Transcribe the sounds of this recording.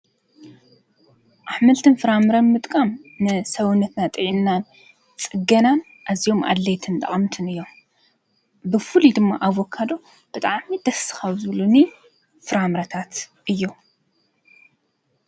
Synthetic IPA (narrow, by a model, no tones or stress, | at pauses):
ʔaħmɨlt̪ʰɨnfɨɾamɾɐnmɨt̪ʼkʼamnɨsɐwunːɐt̪nat̪ʼɨʕinːan | t͡sʼɨɡɐnan | ʔazijo̞ma̰d̪lejt̪ʰɨnt̪ʼɐ̰χʼmt̪ʰɨnɨjːo̞m | bɨfɨlid̪ɨmːaʔaβokʰːad̪o̞ | b̥ɨt̪ʼaʕmid̪̥ɐsɨ̥xɐβzɨluni | fɨɾamɾɐt̪ʰat̪ʔɨjːu